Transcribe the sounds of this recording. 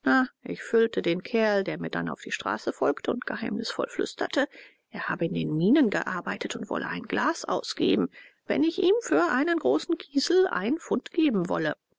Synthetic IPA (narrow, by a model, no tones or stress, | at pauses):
naʔɪçfʏltədeːnkʰɛɐldeːɐmiːɐda̰na̰ʊfd̥iːʃtʁ̥a̰ːsəfɔlktʰəʊntɡ̥əhaɪmnɪsfɔ̰lflʏ̰stʰɐ̰tʰə | ʔeːɐhaːbəɪndeːnmiːnənɡə̰ʔa̰ɐbaɪtʰətʊntv̥ɔ̰lʔə̰ʔaɪnɡlaːsʔa̰ʊsɡ̥ḛːbm̩vɛ̰nɪçʔiːmfyːɐʔaɪnənɡʁoːsn̩kʰiːzl̩ʔa̰ɪnənfʊntɡ̥eːbm̩vɔ̰lə